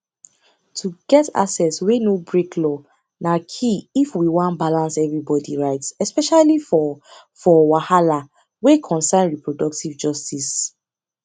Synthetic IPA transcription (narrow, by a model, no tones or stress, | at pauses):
tʰuɡɛta̰sɛtswenobɹekʰlɔ | nakʰiifwiwãnbalãnsɛvɹibɔdḭɹaɪtsɛspɛʃalifɔ | fɔwahala | wekʰɔ̃nsãɪ̃nɹipɹɔdɔk̚tivd͡ʒɔstis